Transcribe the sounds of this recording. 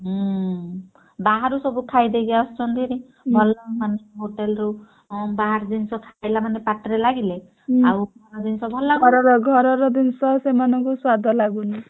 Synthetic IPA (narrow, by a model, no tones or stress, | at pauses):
ɦ | baɦaɾusɔbukʰajd̪eɡaɔst͡ʃɔnd̪ʱiɾe | bʱɔlɔmaneɦoʈelɔɾu | baɦaɾd̪insɔkʰajlamanepaʈɔɾelaɡile | awbɾɔd̪insɔbʱɔlaɔɾɔɾɔɡʱɔɾɔɾɔd̪insɔsemanɔŋkuswad̪ʱɔlaɡuni